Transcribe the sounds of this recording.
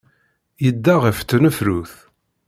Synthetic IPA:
jəd̪ːaʁəft̪ːnəfɾuθ

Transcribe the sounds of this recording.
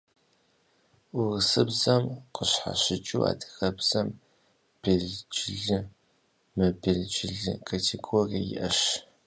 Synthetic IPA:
uʁəsɨbzɐmqəɕħa̰ɕɪt͡ʃʼṵa̰ːdɨ̥xɐbz̥ɐm | b̥eɮt͡ʃʼɪɮɨ | mɨbeɮt͡ʃʼɪɮɨ̰kʰatʰeɡorijɪ̰ʔɐɕ

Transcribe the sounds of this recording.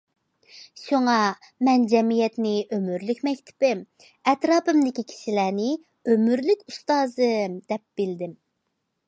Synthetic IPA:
ʃoŋɑ | mɛnd͡ʒɛmijɛt̪nɪʔømyɾlykʲmɛkʲt̪ʰɪ̥pɪ | ɛt̪ɾɑːpɨmd̪ɪkʲikʲʰi̥ʃilænɪ | ømyɾlykʲust̪ɑːzɨmd̪̥ɛp̚b̥ɪld̪ɪm

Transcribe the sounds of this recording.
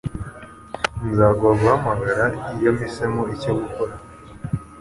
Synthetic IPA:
nzaːɡaɡuhamaɡaɾaijo̞misemoicoɡukoɾa

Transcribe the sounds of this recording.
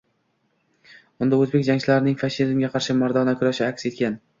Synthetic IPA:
ʊnd̪aozbe̞kʲd͡ʒaŋt͡ʃʰɪlaɾɪnɪŋfaʃɪzmɡʲaqʰɑɾʃɪmaɾd̪ɒnakʰʊɾaʃɪakʲse̞t̪kʲan

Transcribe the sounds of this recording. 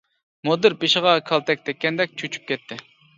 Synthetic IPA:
mod̪ɨɾpeʃɪʁɑkʰɑlˠt̪ʰɛk̚ʲt̪ʰɛkʲːɛnd̪ɛk̚ʲt͡ʃʰyt͡ʃʰy̥p̚kʲʰɛt̪ʰːɪ

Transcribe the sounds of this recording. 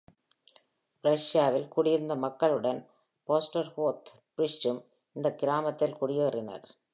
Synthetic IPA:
ɾɐʂjaːʋɪlkʊɽɪɾɯnd̪ɐmɐkːɐɭɯɽɐn | poːsʈɐɾhoːt̪ | pɾɪʂt͡ʃɯm | ɪnd̪ɐkɪɾaːmɐt̪ːɪlkʊɽɪjerɪnɐ̰ɾ

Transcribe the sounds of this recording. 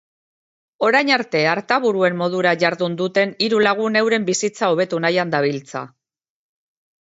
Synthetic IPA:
o̞ɾajɲaɾt̪e̞aɾt̪aβuɾue̞mːo̞ð̞uɾaʝaɾðund̪ut̪e̞niɾulaɣ̞une̞wɾe̞mbisit͡sao̞β̞e̞t̪unajand̪aβ̞ilt͡sa̰

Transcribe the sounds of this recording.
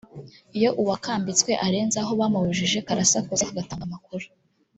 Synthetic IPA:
ijo̞ʔuwakaːmbit͡skwe̞ʔaɾe̞ːnzaɦo̞βaːmaβuʒiʒe̞kaɾasakuzekaɡataŋɡamakuɾu̥

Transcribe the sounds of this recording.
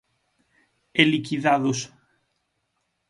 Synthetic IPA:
elikiðaðos

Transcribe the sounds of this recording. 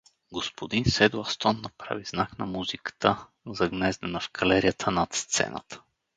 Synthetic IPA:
ɡospod̪insɛd̪oast̪ɔnːɐpɾa̰viznaknɐmuzikə̥t̪ə | zɐɡnɛzd̪ənɐfkʰɐlɛɾijət̪ʰənɐt̪st̪sɛ̰nə̰t̪ə̥

